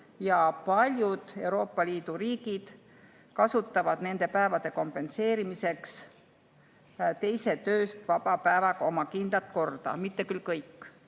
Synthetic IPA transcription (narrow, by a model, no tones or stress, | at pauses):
jɑpɑlʲjud̪̥e̞uɾo̞ːpːˑɑliːd̪̥uɾiːɡ̥id̪̥ | kɑsut̪ˑːɑvɑd̪̥ne̞nd̪̥e̞pæevɑd̪̥e̞ko̞mpe̞nse̞ːɾimise̞ks | t̪e̞jse̞t̪øːst̪vɑb̥ɑpæevɑɡ̥ɑo̞mɑkind̪̥lɑt̪ko̞rd̪̥ɑ̰mit̪ːe̞kylkɤjkːˑ